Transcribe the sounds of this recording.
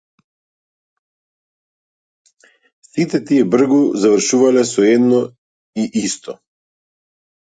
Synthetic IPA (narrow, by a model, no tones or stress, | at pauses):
sit̪ɛt̪iɛbr̩ɡuzavr̩ʃuvalɛsɔɛd̪nɔ | iʔist̪ʰɔ